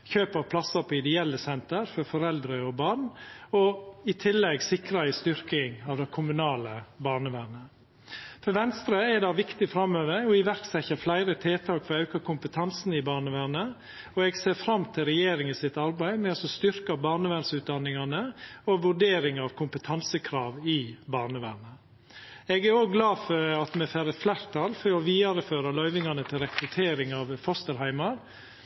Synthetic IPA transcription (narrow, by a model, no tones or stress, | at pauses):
çøːpɑʋpʰlɑsɑpʰɔɪd̪ɛɛlːəsɛnt̪əɾfɔɾfɔɾɛld̪ɾəɔbɑɳɔɪt̪ʰɪlːɛɡsɪkɾɑɪst̪ʏɾkɪŋɑʋd̪ɛɪkʰʊmʉnɑːləbɑːɳəʋæːɳə | fɔʋɛnst̪ɾəɛd̪ɑʋɪkt̪ɪfɾɑmøːʋəɾɔɪʋæɾt̪sɛçəflæɪɾət̪ʰeːt̪ʰɑːkfɔɾɑʉkɑkʰʊmpət̪ʰɑnsnɪbɑːɳəʋæːɳə | ɔɛɡseːɾfɾɑmt̪ʰɪlɾɛjeːɾɪŋəsɪt̪ɑɾbæɪmɛɔsɔst̪ʏɾkɑbɑːɳəʋænsʉːt̪̚d̪ɑnːɪŋɑnəɔʋʉɖeːɾɪŋɑʋkʰʊmpət̪ʰɑnsəkʰɾɑːʋɪbɑːɾɳəʋæ̰ːɾɳə | ɛɡæɾoːɡɡlɑːfɔɾɑt̪mɛfæɾəflæɾt̪ʰɑlfɔɾɔʋiːɑɾəføːɾəlœʏʋɪŋɑnət̪ʰɪlɾɛkɾʉt̪ʰeːɾɪŋɑʋfɔst̪əɾɦæɪmɑɾ